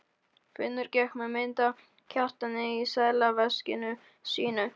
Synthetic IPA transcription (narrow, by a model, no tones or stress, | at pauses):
fɪnːʏɾcɛxkmɛmɪnt̪a | cʰar̥t̪anɪisaːjlavɛscɪnʏ | siːnʏ